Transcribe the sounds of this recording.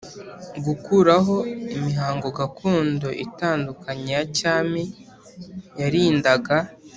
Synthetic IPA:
ɡukuɾaɦo̞imiɦaːŋɡo̞ɡakʰuːndo̞ʔitaːndukaɲejacaːmi | jaɾiːndaɡa

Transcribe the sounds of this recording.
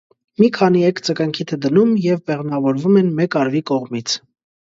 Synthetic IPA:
mikʰɑniɛkt͡səkɑŋkʰit̪ʰɛd̪ənumjɛvbɛʁnɑvɔɾvumɛnmɛkɑɾvikɔʁmit͡sʰ

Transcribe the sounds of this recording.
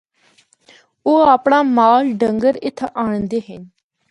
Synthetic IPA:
oːaːpɳaːmaːlɖəŋɡəɾɪt̪ʰaːɳnd̪eːɦən

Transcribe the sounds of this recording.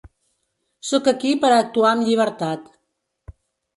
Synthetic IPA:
sɔkəkipəɾəːk̚t̪uaəmʎiβ̞əɾt̪at̪

